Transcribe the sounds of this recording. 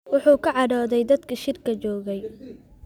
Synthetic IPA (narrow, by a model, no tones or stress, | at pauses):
wʊħuːkʰɐʕɑɽɔːðɛjd̪ɐd̪kʰɐʃɪrkʰɐt͡ʃɔːɣɛj